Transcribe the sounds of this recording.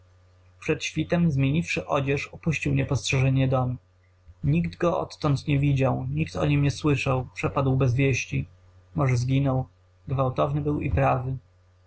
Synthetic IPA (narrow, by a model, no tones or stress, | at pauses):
pʂɛt̪ɕfʲit̪ɛmzmʲjeɲifʂɘʔɔd͡ʑɛʂɔpuɕt͡ɕiwɲɛpɔstʂɛʐɛɲɛd̪ɔmi | ɲikd̪ɡɔɔ̰t̪ːɔnt̪ɲɛvʲid͡ʑawɲikt̪ɔ̰ɲimɲɛswɘʂawpʂɛpad̪wbɛzvʲjeɕt͡ɕi | mɔʐɛzɡʲinɔw | ɡvawt̪ɔvnɘbɘwḭpɾavɘ